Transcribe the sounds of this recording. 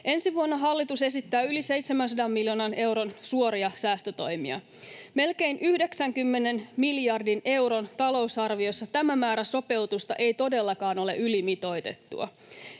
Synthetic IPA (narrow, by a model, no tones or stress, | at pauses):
ʔe̞nsiʋuonːoɦɑlːit̪use̞sit̪ːæːylise̞jt̪semæns̬ɑdɑmːiljoːnɑne̞wɾo̞nsuoɾiɑsæːst̪øt̪o̞jmiɑ̰ | me̞lke̞inʔyhdeksæŋkymːene̞nmilijɑrdine̞wɾo̞nt̪ɑlo̞usɑrʋio̞sːɑt̪æmæmæːɾæso̞pe̞wt̪ust̪ɑʔe̞jt̪o̞de̞lːɑkɑːno̞le̞̰ʔylimit̪o̞jt̪e̞̰t̪ːṵɑ̰